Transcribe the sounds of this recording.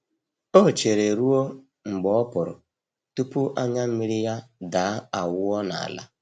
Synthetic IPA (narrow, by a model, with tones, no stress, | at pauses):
o˦˨t͡ʃe˨ɾe˨ɾu˦o˦ | ŋ͡m̩˨ɡ͡bɔ˨˦ɔ˦pʊ˨ɾʊ̰˨ | tu˦pu˦ʔa˦ɲa˦m̩˦mi˦ɾi˦ja˦da˨˦a˨wʊ˦ɔ˦na̰˨a̰˨la̰˦